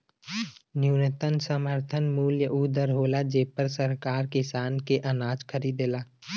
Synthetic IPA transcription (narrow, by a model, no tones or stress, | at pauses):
njuːnət̪ənsəməɾt̪ʰənmuːljəʔuːd̪əɾɦoːlad͡ʒeːpəɾsəɾkaːɾkɪsaːnkeʔɐnaːd͡ʒkʰəɾiːd̪elaː